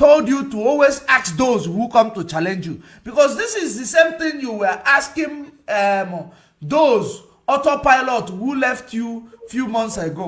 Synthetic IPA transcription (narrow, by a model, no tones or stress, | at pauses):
toldjutuɔlwezaksd̪ozhukɔ̃mtut͡ʃalɛ̃nd͡ʒju | b̥ikɔsdisizðisẽmθĩŋjuwɛʔaskĩnɛm | d̪oz | ɔtopaɪlɔthulɛftʰjufjumɔ̃nθsaɡo